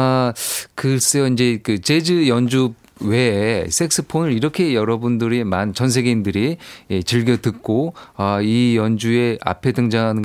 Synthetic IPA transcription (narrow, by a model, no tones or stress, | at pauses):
kɯs͈ɯjʌind͡ʑe̞kɯt͡ɕe̞d͡ʑɯjʌnd͡ʑu | we̞sʰe̞k̚s͈ʰɯpʰonɯɾiɾʌkʰe̞jʌɾʌbundɯɾemant͡ɕʌns̬ʰe̞ɡeindɯɾiet͡ɕɯɭɡjʌtɯk̚k͈oʌijʌnd͡ʑue̞a̰pʰe̞dɯŋd͡ʑaŋɦanɯnɡ